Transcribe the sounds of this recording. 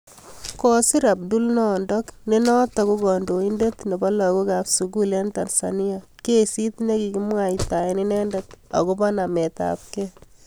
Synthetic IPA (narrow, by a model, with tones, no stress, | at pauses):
kɔ˦si˦ɾa˨p̚du˦lnɔ˦ndɔ˦kne˦nɔ˦ta˨ku˦ɡɔ˨ndo˨i˦nde˦tne˨bɔ˦lɔ˨ko˦ka˨psu˨ɡu˦le˦nta˨nsa̰ni˦a˨ke˦si˦tne˦ki˨ki˦mwa˨ita˨i˦ni˦nɛ˦ndɛ˦ta̰˨ko˦bɔ˦na˨mɛ˨ta̰˨p̚kɛ˦